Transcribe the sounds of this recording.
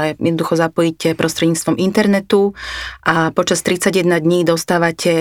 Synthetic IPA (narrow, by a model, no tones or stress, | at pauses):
ɛjɛd̪nɔd̪uxɔzapɔjicɛpɾʔɔst̪ɾɛd̪ɲiːt͡st̪ʋɔmint̪ɛɾnɛt̪uʔapɔt͡ʃast̪ɾit͡saɟjɛd̪nad̪ɲiːd̪ɔst̪aːʋacʰɛ